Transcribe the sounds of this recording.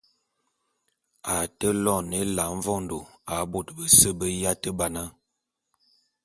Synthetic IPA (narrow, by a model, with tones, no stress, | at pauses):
a˨tə˦lɔ˦˨ne˦la˨˦ɱ˦vɔ˦n˨do˨a˨˦bo˦˨tbə˦sə˦bə˦ja˦tə˦ba˨na˦